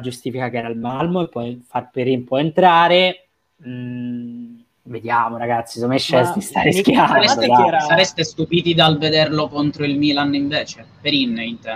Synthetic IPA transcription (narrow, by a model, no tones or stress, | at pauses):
d͡ʒust̪iːfikakeɛːɾalmalmoepːɔjfarperimpɔjent̪ɾaːɾe | ved̪jaːmoɾaɡat̪sːisomeʃːɛsd̪ist̪aɾiskjaaɾɛt̪esaɾɛst̪est̪upiːt̪id̪alved̪erlokont̪ɾoilmiːlaniɱveːt͡ʃepeɾinːint̪ɛ